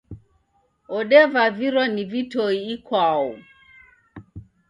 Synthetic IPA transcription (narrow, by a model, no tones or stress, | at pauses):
ɔɗɛvaviɾɔnivitɔiːkwaɔ